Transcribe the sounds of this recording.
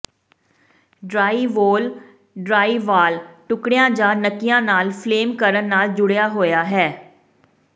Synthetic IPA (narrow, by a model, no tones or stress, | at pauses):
ɖɾaːiːʋoːl | ɖɾaːiːʋaːlʈʊkɽejãːd͡ʒãːnəkːijãːnaːlpʰleːmkəɾənːaːld͡ʒʊɽejaːɦoːjaːɦɛː